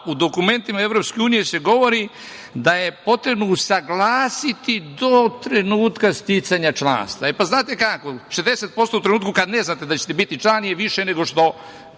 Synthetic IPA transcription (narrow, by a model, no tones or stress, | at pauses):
ud̪o̞kume̞nt̪imaeʋɾo̞pske̞uːnijese̞ɡo̞ʋo̞ɾi | d̪aje̞po̞t̪ɾe̞bnousaɡlaːsit̪id̪ot̪ɾe̞nuːt̪kast̪it̪saɲat͡ʃla̰ːnst̪aepaznaːt̪e̞kakoʃezd̪eset̪̚po̞st̪out̪ɾenuːt̪kukad̪ne̞znat̪ed̪at͡ɕe̥t̪ebit̪it͡ʃlˠanijeʋiʃeneɡo̞ʃt̪o̞